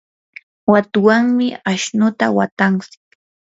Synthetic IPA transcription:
wat̪waŋmɪaʃnʊt̪awat̪aŋsɪ̥k

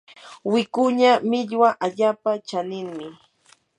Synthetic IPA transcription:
wɪkʊɲamɪʎwaʔaʎaːpat͡ʃalɪŋmɪ

